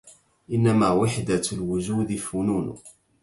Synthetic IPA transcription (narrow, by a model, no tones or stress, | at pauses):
ʔɪnːamaːwɪħd̪alwʊd͡ʒuːd̪ɪfʊnuːnʊ̰